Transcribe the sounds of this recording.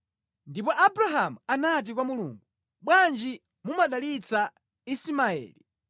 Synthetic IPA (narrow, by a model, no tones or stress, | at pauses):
ndipɔʔabuɾaɦamuanat̬ikwamulṵːŋɡu | ɓwand͡ʒi | mumaɗalit͡sa | isimaɛ̰ːli